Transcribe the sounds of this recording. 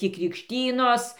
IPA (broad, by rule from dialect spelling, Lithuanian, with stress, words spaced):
tʲɪ krʲɪkʃʲˈtʲiːnoːs